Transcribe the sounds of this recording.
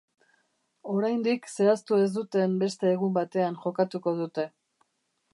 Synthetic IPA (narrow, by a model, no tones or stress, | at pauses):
o̞ɾajnd̪ikse̞ast̪ue̞zd̪ut̪e̞mbe̞st̪e̞ːɣumbat̪e̞anʝo̞kat̪uko̞ðut̪e̞